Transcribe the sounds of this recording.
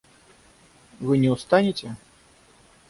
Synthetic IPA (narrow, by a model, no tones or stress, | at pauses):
vɨnʲɛwst̪anʲit͡sʲɛ